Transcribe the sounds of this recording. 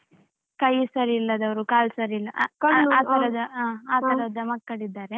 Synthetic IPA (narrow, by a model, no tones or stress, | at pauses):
kɐjsɐɾiːlːɐd̪ɐʋɐɾukaːlsɐɾiilːɐʔkɐaːt̪ɐɾɐd̪ɐaːaːt̪ɐɾɐd̪ɐmɐkːɐɽid̪ːaːɾe